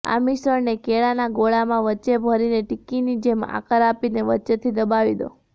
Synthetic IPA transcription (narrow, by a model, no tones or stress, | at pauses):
a̰misəɾnekeɭanaɡoɭamãʋətːʃebʱəɾineʈikːinid͡ʒema̰kəɾapineʋətːt͡ʃet̪ʰid̪əbaʋid̪o̰